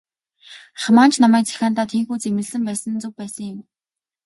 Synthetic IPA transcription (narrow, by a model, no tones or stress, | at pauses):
χmaːnt͡ɕʰnamæːk̚t͡sæ̥xʲaːn̥t̪aːt̪ʰiːŋxuːt͡semɘ̆ɮɮɘ̆mpæːsə̆nt͡sɵk̚pæːsə̆ŋjɪ̆m